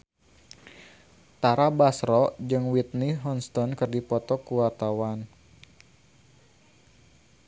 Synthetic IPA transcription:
t̪aɾabasɾɔd͡ʒɨŋwit̪̚niɦɔnst̪ɔnkɨrdipɔt̪ɔkuwart̪awan

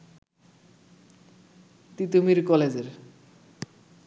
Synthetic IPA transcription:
t̪it̪umiɾkɔled͡ʑeɾ

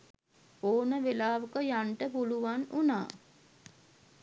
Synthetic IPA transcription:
oːnəʋelaːʋəkəjaɳʈəpuluʋanunaː

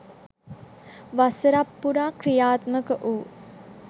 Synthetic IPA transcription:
ʋasəɾapːuɾaːkrijaːt̪məkəʔuː

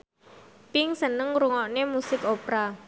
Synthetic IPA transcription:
pɪŋsənəŋɾuŋɔʔnemusɪkopɾa

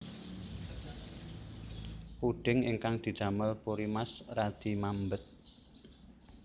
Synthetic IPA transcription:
puɖ̥ɪŋɪ̰ŋkaŋd̪̥i̤̥d͡ʒ̥a̤məlpoɾimasrad̪̥i̤mambət̪̚

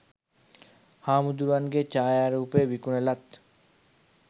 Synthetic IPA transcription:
haːmud̪uɾuanɡet͡ʃaːjaɾuːpeʋikunelat̪

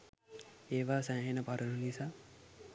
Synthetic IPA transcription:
eːʋaːsaːɦenəpaɾənunisaː

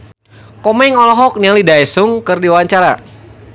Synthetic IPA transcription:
kɔmɛŋɔlɔɦɔk̚nialidaɛsʊŋkɨrdiwaaɲt͡ʃaɾa

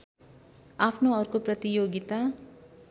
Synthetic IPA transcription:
apʰnoʌɾkoprʌt̪ijoɡit̪a

